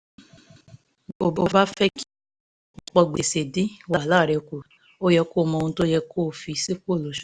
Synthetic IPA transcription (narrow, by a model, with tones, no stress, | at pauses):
o˨bo˨ba˦fɛ˦ki˦˧ | k͡pɔ˧ɡ͡be˨se˨di˨˦wa˨la˦˨ɾɛ˧ku˨ | o˦jɛ˧koː˦˨mɔ̃˧ũ˧˦to˦jɛ˧kʰoː˦˨fi˧˦si˦ko˦˨lo˨ʃu̥˨